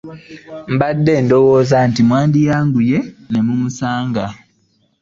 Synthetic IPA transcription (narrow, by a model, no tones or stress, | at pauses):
m̩badːe̞ːndowoːzantimwaːndijaːŋɡuje̞ne̞mumusaːŋɡa